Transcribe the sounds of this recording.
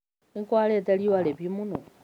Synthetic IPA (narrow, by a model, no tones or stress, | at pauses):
iŋkwaletaliwaleβimuno